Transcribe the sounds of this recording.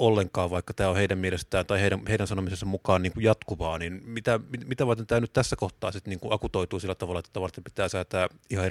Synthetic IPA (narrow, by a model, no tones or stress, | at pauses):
ʔolːeŋkɑːʋʋɑˑikːɑt̪æːoheˑidæmmielest̪æːnt̪ɑiheˑiɾæmeˑiɾænsɑnomisesːɑmukɑːnniːŋkujjɑt̪kuʋɑːninmit̪æmimit̪æʋɑrt̪ent̪æːnyt̪t̪æsːækoht̪ˑɑ̰ːsit̪niːŋkuʔʔɑkut̪oˑit̪uːsilːæt̪ɑʋɑlɑet̪ːt̪ːæʋɑrt̪ːempit̪æːsæːt̪æː | ihɑe